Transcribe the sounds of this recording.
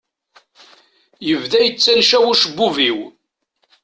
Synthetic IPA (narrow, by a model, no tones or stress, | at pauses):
jəvðæjət͡sːænʃæwʊʃəbːuviw